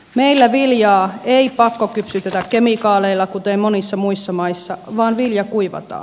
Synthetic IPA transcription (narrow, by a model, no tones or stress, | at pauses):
meilːæʋiljɑːeipɑkːokypsyt̪et̪ækkemikɑːleilːɑkut̪emmonisːɑmuisːɑmɑisːɑʋɑːnʋiljɑkuiʋɑ̰t̪ɑ̰ː